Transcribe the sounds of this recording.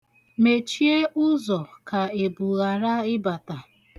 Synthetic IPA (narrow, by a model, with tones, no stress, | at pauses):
me˨t͡ʃi˦e˦ʔʊ˦zɔ˨ka˨e˨bu˨ɣa˨ɾa˦ɪ˦ba˨ta˨